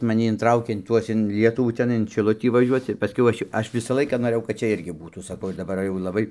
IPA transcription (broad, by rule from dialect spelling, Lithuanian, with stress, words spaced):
mɐˈnʲɪ ɪnˈtrɐʊkʲeː ɪn ˈtuɔs ɪn ˈlʲiɛtʊʋuː ˈtʲæːnɐɪ ɪn ʃʲɪˈlˠʊtʲiː ʋɐˈʒʲuɔt͡s ɪr pɐˈsʲkʲɛʊ ˈɐʃ joː ˈɐʃ ˈʋʲɪsɐ ˈlˠɐɪkɐ noːˈrɘjɛʊ kɐt ˈt͡ʃʲɛ ˈɪrʲɡʲɪ ˈbuːtuː sɐˈkɐʊ ɪr dɐˈbɐr jɛʊ lˠɐˈbɐɪ